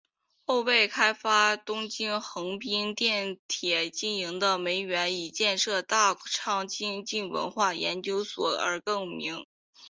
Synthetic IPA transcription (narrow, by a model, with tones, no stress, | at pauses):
xo˥˧ʊpe˥˩ɪkʰa˥ɪfa˥t̪ʊ˥ŋt͡ɕi˥nxɤ˧˥ŋpi˥nt̪jɛ˥˩nt̪ʰjɛ˨˩t͡ɕi˥˩ni˧˥ŋd̪ə˧me˧˥ɪɥɛ˧˥ni˨˩t͡ɕjɛ˥˧nʂɤ˥˧t̪a˥˩ʈ͡ʂʰɑ˥˩ŋt͡ɕi˥nt͡ɕi˥˩nwə̰˧˥nxwa˥˩jɛ̰˧˥nt͡ɕjo˥ʊswɔ˨˩ə̰˞˧˥kɤ˥˩ŋmi˧˥ŋ